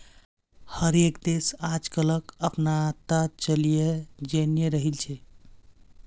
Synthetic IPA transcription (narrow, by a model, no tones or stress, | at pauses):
həɾekd̪esad͡ʒkələkəpnat̪at͡ʃəlijed͡ʒenjeɾəɦilt͡ʃʰɛ